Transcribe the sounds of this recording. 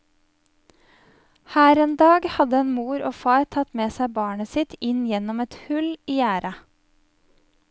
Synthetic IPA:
hæːɾeːnd̪ɑːɡhɑd̪əɛnmuːɾoːfɑːɾt̪ʰɑt̪meːsæɪbɑːɳəsɪt̪ɪnjɛnɔmɛt̪hʉliːæːɾʔɑ

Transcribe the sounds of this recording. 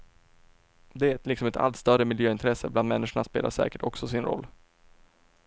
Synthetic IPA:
d̪ɛæt̪lɪksɔmɛt̪ʰa̰lt̪st̪œɾəmɪljøːɪnt̪ʰɾɛsːəbland̪mɛnːɪʂəɳaspeːla̰ʂɛ̰ːkəʈɔksɔsɪnɾɔ̰lː

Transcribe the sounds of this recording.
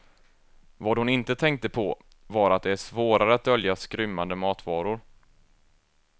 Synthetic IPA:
vɑːd̪hʊnɪnt̪ət̪ʰɛŋk̚t̪əpʰɔ | vɑɾat̪̚d̪ɛæʂvoːɾaɾəat̪̚d̪œljaskɾʏmːand̪əmɑːt̪vɑːɾʊɾ

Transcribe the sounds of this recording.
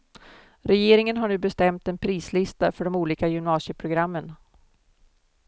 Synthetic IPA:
ɾɛjeːɾɪŋənɦaɳʉ̟ːbɛst̪ɛmt̪ɛnpʰɾiːslɪst̪afœɖɔmuːliːkajʏmnɑːsjəpʰɾʊɡɾamːən

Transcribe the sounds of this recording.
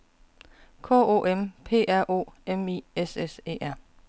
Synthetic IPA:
kʰɔ̰ːo̝̰ːʔempʰe̝̰ːʔæɐ̰ʔo̝̰ːemiːesesḛːæɐ̰

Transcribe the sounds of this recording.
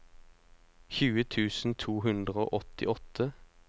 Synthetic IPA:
çʉːət̪ʰʉːsn̩t̪ʰuːɦʉnd̪ʁəo̰ːʔɔt̪ɪ̰ʔɔt̪ʰə

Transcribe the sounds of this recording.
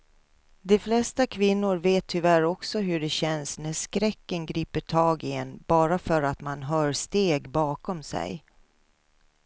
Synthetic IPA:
d̪ɛflɛst̪akʰvɪnːʊɾveːt̪ʰːʏvæɾɔksɔɦɵɖɛɕɛnsnæʂkɾɛkːənɡɾiːpəʈʰɑːɡɪɛnːb̥ɑːɾafœɾat̪manɦœːɾst̪eːɡbɑːkɔmsɛ̰j

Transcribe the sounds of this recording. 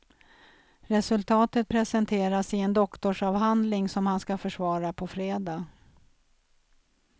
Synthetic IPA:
ɾɛsɵlt̪ʰɑːt̪ət̪̚pʰɾɛsɛnt̪ʰeːɾasɪɛnd̪ɔkt̪ɔʂɑːvɦand̪lɪŋsɔmhanskafœʂvɑːɾapʰɔfɾeːd̪ɑː

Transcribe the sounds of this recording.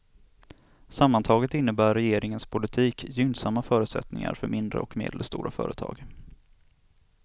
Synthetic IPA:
samːant̪ʰɑːɡət̪ɪn̪ːəbæːɾɛjeːɾɪŋənspʰʊlɪt̪ʰiːkjʏnsamːafœːɾʉt̪sɛ̰t̪nɪŋa̰ɾfœɾmɪnd̪ɾə̰ɔkmḛːd̪ləst̪ṵːɾafœ̰ːɾʔət̪ʰɑ̰ːɡ

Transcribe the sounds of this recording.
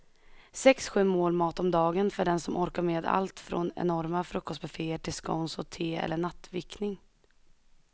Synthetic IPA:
sɛksɧʉ̟ːmoːlmɑːt̪ɔmd̪ɑːɡənfœɖɛnsɔmʔɔɾkaɾmeːd̪a̰lt̪fɾɔ̰nɛ̰nɔɾmafɾɵkːɔst̪̚bɛfeːəʈʰɪlskɔ̰nsɔt̪ʰeːɛ̰lːəɳat̪ːvɪknɪŋ

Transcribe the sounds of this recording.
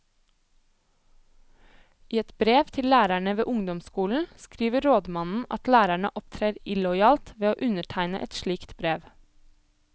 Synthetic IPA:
ʔiːɛt̪bɾeːʋt̪ʰɪllæːɾæɳəʋḛːʔʊŋd̪ɔmskuːln̩skɾiːʋəɾoːd̪mɑnn̩ʔɑt̪læːɾæɳə̰ʔɔpt̪ʰɾeːɾɪlɔʏɑːlt̪ʋeːoːʔʉnəʈʰæɪnə̰ʔɛt̪ʃliːkt̪bɾeːʋ

